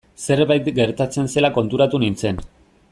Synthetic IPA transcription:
se̞ɾβajt̪ɡe̞ɾt̪at͡se̞nse̞lako̞nt̪uɾat̪unint͡se̞n

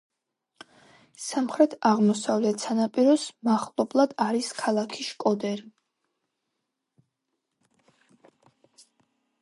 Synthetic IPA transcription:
samχɾɛt̪ʰaʁmɔsavlɛt̪sʰanapʼiɾɔsmaχlˠɔblˠad̪aɾiskʰalˠakʰiʃkʼɔd̪ɛɾi

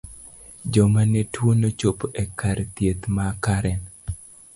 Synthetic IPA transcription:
d͡ʒɔmanetwonot͡ʃopʔekʰaɾt̪jet̪makaɾɛn

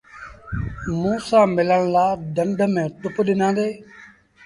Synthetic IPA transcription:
mũːsãːmɪləɽ̃laːɖəɳɖʱmẽːt̪ʊpɗɪnãːnd̪eː

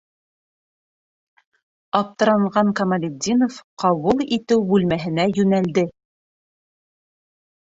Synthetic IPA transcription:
ɑp̚t̪ɤ̆ɾɑɴʁɑŋkɐmɐlʲɪd̪ʲːinofqɑβulˠit̪ɘwbʉlmæɦɘ̆næjʉnæld̪ɘ

